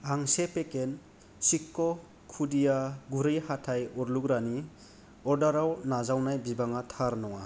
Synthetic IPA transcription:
aŋsepeken | sikːɔ | kʰudijaɡuɾɯjhatʰajɔɾlukɾani | ɔɾdaɾawnazawnajbibaŋatʰaɾnɔŋa

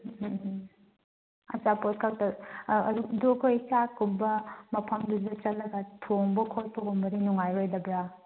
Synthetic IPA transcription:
ɐ̰t͡ʃapot̚kʰaktɐɐdudukʰojsakumbɐmɐpʰɐmdudɐt͡ʃɐtlːɐɡɐtʰoŋbɐkʰotpʰɔkumbɐdinuŋajɾojdɐbɾa

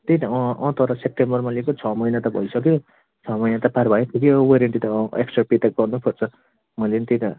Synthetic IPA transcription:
t̪ejt̪ʌ̃ʌ̃t̪ʌɾʌsep̚ʈembʌrmʌlekot͡sʰʌmʌjnat̪ʌbʱʌ̰jsʌkjo | t͡sʰʌmʌjnat̪ʌparbʱajepʰukjoweɾeɳʈit̪ʌeksʈrapit̪aɡʌrnupʰʌrt͡sʰʌ | mʌjlenit̪et̪a

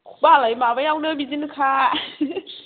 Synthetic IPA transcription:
kʰbalajmabajawnɯbidinkʰa

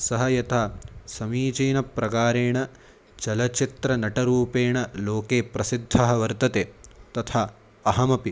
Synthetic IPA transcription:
sɐɦɐjɐt̪ʰaːsɐmiːt͡ʃiːnɐpɾɐkaːɾeːɳɐ | t͡ʃɐlɐt͡ʃit̪ɾɐnɐʈɐɾuːpeːɳɐloːkeːpɾɐsid̪ʱːɐɦɐ̆ʋɐɾt̪ɐt̪eːt̪ɐt̪ʰaː | ɐɦɐmɐpi

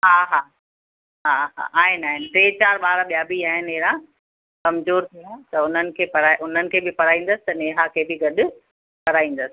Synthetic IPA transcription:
ɦaːɦaː | ɦaɦa̰ʔaːɦɪnaːɦɪnɪʈeːt͡ɕaːɾɓaːɾaɓijaːbiaːɦɪneɦɾã | kɐmzoːɾt̪ʰiũt̪ɐʊn̤ənɪ̆kʰeːpɐɾaːʔʊn̤ənɪ̆kʰeːbɪpɐɾaːĩːn̆d̪əsɪ̥t̪ɐneːɦakʰeːbɪɡɐɗʊ̆ | pɐɾaːĩːn̆d̪əsɪ̥̆

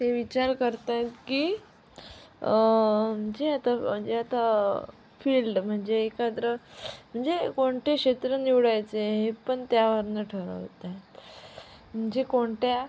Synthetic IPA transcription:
t̪eʋit͡ɕaɾkəɾt̪ajt̪kiː | m̤əɳd͡zeat̪am̤əɳd͡ʑeat̪a | filɖm̤əɳd͡zeːkat̪ɾəm̤əɳd͡zekoɳʈekɕet̪ɾəniʋɽajt͡seɦepəɳt̪jaʋəɾnəʈʰəɾə̰ʋt̪at̪ | m̤əɳd͡zekoɳʈja

